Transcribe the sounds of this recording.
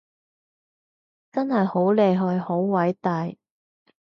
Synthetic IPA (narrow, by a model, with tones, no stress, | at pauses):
t͡sɐ˥nhɐ˨jho˨˥wle˨˧jɦɵ˧ɥho˨˥wwɐ˨˥jt̪ɐː˨j